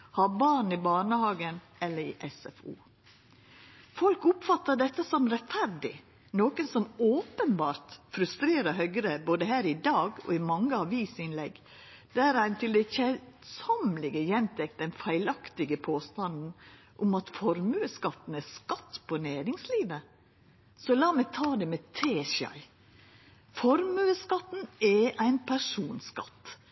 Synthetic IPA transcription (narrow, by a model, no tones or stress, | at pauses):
hɑbɑːɳ̩ɪbɑːɳəhɑːɡən | ɛlːəɾɪ̰ʔɛsɛfṵː | fɔlkʊpfɑt̪ːəɖ̪ɛt̪ːəsɔmɾɛt̪fæɾɖɪ̰ | noːkənsɔmoːpənbɑːɾt̪fɾʉst̪ɾeːɾəɾɦœʏɡɾəboːd̪əɦæːɾɪd̪ɑːɡɔ̰ɪmɑŋːəɑʋiːsɪnlɛɡ | d̪̥æɾæɪnt̪ʰɪld̪ɛçɛsɔmlɪɡəjɛnt̪ʰɛk̚t̪̚d̪ɛnfæɪlɑkt̪ɪɡəpʰoːst̪ɑnd̪n̩ | ʔʊmɑt̪fɔɾmʉːəskɑt̪n̩æskɑt̪ːpʰɔnæːɾɪŋsliːʋə | sɔlɑːmæt̪ʰɑːd̪ɛmɛt̪ʰeːʃɑ̰ɪ | fɔɾmʉəskɑt̪n̩ɛæɪnpʰæʂuːnskɑ̰t̪ː